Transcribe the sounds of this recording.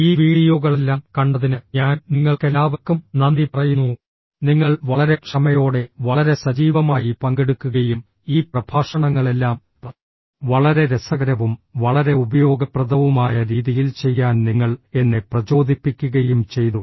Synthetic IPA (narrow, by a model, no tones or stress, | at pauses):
iːʋiːɽijoɣɐɭelːaːmkɐɳɖɐðinɨɲaːnniŋːɐɭkelaːʋɐkːumnɐnd̪ipɐrɐjunːu | niŋːɐɭʋɐɭɐɾe̞kʂɐmɐjo̞ːɽe̞ʋɐɭɐɾe̞sɐd͡ʑiːʋɐmaːjipɐŋɡeɽukːuɣɐjum | iːprɐbʱaːʂɐɳɐŋːɐɭe̞lːaːm | pɐ | ʋɐɭɐɾe̞ɾesɐɣɐɾɐʋumʋɐɭɐɾe̞ubɐjo̞ːɡɐprɐd̪ʱɐʋumaːjɐɾiːðijilt͡ɕe̞jːaːnniŋːɐɭe̞nːeprɐt͡ɕo̞ːd̪ʱipːikʲːuɣɐjumt͡ɕe̞jt̪u